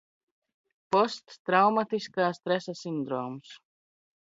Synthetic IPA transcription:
pɔst̪ːɾawmat̪iskaːst̪ɾɛsasind̪ɾɔːms

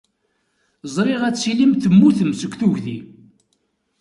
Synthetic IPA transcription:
zˤɾˤiʁæt͡sːilimθəmːuθəmsəɡʷθuʝði

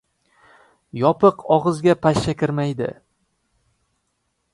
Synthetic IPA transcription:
jɒpʰɨqʰɒʁɨzɡʲapʰaʃt͡ʃakʲɪɾmajd̪ɪ̰

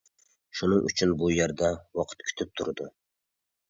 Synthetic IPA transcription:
ʃunɨŋʔy̰t͡ʃʰynbujɛɾd̪awɑqʰɨ̥t̪kʲʰy̥t̪ʰɪp̚t̪ʰuɾd̪u

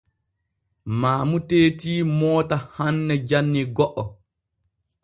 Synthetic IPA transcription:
maːmuteːtiːmɔːtahanːɛd͡ʒanːiɡɔʔɔ

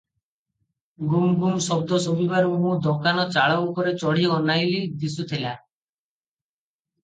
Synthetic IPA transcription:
ɡumɡumsɔb̚d̪ɔsobibaɾɔɦũd̪ɔkanɔt͡ʃaɭɔukɔɾet͡ʃɔɽ̤iɔnajlid̪isut̪ʰila

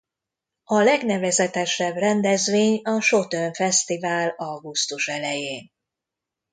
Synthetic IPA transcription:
ɒlɛɡnɛvɛzɛt̪ɛʃɛbrɛnd̪ɛzʋeːɲɒʃo̞t̪øɱfɛst̪ivaːlɒɡust̪uʃɛlɛjeːn

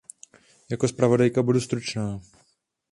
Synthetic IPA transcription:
jakospɾavo̞dajkabudust̪ɾut͡ʃnaː

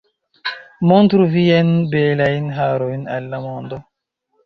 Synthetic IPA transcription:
montɾuviajnbelajnɦaɾojna̰lːamo̞ndo

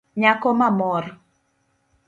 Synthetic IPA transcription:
ɲakɔmamɔɾ

